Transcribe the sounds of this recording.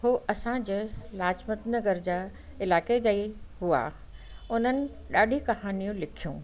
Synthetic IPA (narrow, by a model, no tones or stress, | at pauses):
ɦuːʔɐsãd͡ʑeːlaːt͡ɕmət̪nɐɡəɾd͡ʑaː | ɪlaːked͡ʑɐiɦua̰ | ʊn̤ənɪ̆ | ɗaːɗʱikɐɦaːnijũlɪkʰijṵ̃ː